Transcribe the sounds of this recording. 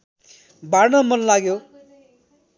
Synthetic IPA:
bʱarnʌmʌnlaɡjo

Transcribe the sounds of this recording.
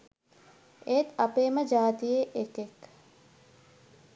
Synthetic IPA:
et̪ɐpeːməd͡ʒaːt̪ijeʔekek

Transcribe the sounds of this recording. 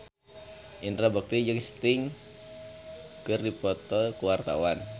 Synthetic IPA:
ʔint̪ɾabək̚t̪id͡ʒɨŋst̪ɪŋ | kərdipɔt̪ɔlkəwart̪a̰wan

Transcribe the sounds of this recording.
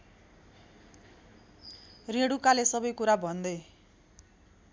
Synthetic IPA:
reɽukalesʌbʌjkuɾabʱʌnd̪ʌ

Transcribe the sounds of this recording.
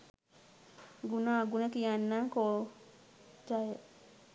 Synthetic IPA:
ɡunaɡunakijanːaŋko | d͡ʒajə

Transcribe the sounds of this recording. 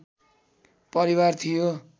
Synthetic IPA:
pʌɾibart̪ʰijo

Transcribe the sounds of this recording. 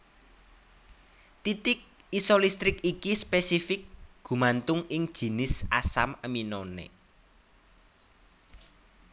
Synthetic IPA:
t̪it̪ɪk̚ | isɔlist̪ɾɪkikispesifɪk̚ɡ̥ṳmant̪ʊŋɪŋd̥ʒ̥i̤nɪsasaməminɔnḛ

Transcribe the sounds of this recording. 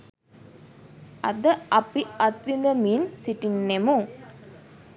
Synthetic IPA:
ɐd̪ɐɐpiɐt̪ʋind̪ɐmiːnsiʈinːemu

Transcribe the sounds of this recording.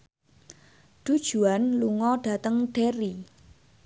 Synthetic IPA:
ɖ̥ṳd̥ʒ̥ṳanluŋɔɖ̥a̤t̪əŋɖ̥eɾi

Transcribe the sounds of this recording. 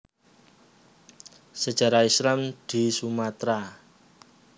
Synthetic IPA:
səd̥ʒ̥a̤ɾaislamd̪̥i̤sumat̪ɾa

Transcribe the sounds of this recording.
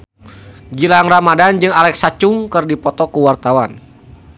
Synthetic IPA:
ɡilaŋramadand͡ʒɨŋalɛksat͡ʃuŋkɨrdipɔt̪ɔkuwart̪awan

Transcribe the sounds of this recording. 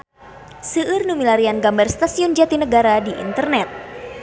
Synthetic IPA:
sɨʔɨrnumilaɾianɡambərst̪asiʊnd͡ʒat̪inəɡaɾadiʔḭnt̪ərnɛt̪̚

